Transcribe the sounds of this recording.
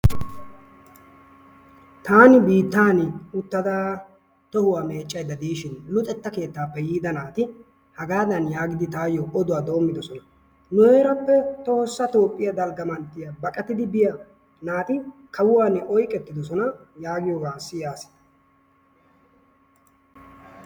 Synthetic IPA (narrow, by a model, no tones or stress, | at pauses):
t̪aːnɪbiːt̪ːaːnʊt̪ːɐd̪aː | t̪ɔhʊwaːme̞ːt͡ʃʼːɐjd̪ɐd̪iːʃɪnlʊt̪ʼɛt̪ːɐke̞ːt̪ːaːpːɛjiːd̪ɐnaːt̪ɪ | hɐɡaːd̪ɐnjaːɡɪd̪ɪt̪aːjɔʔɔd̪ʊwaːd̪o̞ːmːɪd̪ɔsɔnɐ | nɔeːɾɐpːɛt̪o̞ːsːɐt̪o̞ːpʼːɪjɐd̪ɐlɡɐmɐnt̪ːɪjɐbɐkʼɐt̪ɪd̪ɪbɪjɐ | naːt̪ɪkʰɐwʊwaːnɪʔɔjkʼːɛt̪ːɪd̪ɔsɔnɐjaːɡɪjoːɡaːsɪjaːsɪ̥d̪ɐ̥